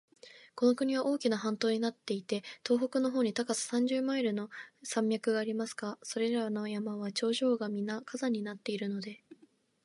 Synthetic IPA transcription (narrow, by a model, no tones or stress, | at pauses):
ko̞no̞kɯ̟ɲ̟iβaʔo̞ːkʲinaɦãnt̪o̞ːɲ̟inat̪ːe̞it̪e̞t̪o̞ːɦo̞kɯ̟no̞ɦo̞ːɲ̟it̪akasɨ̥sãɲ̟d͡ʑɨːmaiɾɯ̟no̞sãmbʲjakɯ̟ɡaːɾʲimasɨ̥ɡaso̞ɾe̞ɾano̞jamaβ̞at͡ɕo̞ːʑo̞ːɡamʲinakazaɲ̟inat̪ːe̞iɾɯ̟no̞d̪e̞